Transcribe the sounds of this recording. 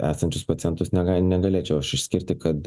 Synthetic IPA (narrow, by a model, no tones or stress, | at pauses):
æ̰ːsɐnʲt͡ʃʲʊspɐt̪ʲɪjɛnt̪ʊsnʲɛɡɐnʲɛɡɐlʲeːt͡ʃʲɛʊɐʃɪʃʲsʲkʲɪɾʲt̪ʲɪkɐt̪